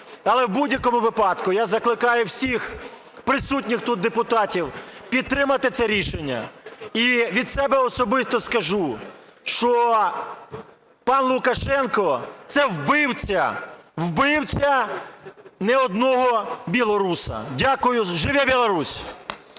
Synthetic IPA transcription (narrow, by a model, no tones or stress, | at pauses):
ɐlˠɛwbudʲjɐkɔmʊʋɪpɑd̪kʊjazɐklˠɪkɑjʊwsʲix | pɾɪsut̬ʲnʲɪxt̪ut̪̚d̪epʊt̪ɑtʲiwpʲid̪̚t̪ːɾɪmɐt̪ɪt̪sɛɾʲiʃenʲːɐ̰iʋʲid̪sɛbɛɔsɔbɪst̪ɔskɐʒu | ʃt͡ʃɔ | pɑnlˠʊkɐʃɛnkɔt̪sɛwbɪwt͡sʲɐwbɪwt͡sʲɐ | nɛɔd̪nɔɦɔbʲilˠɔɾusɐ̰dʲakʊjʊʒɪʋɛbʲilˠɔɾusʲ